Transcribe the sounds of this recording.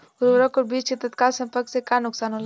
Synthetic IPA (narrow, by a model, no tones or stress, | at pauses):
uɾʋɾɔkoɾbit͡ʃt͡ʃet̪ət̪kalsə̃mpəɾksekanʊksaːnɦol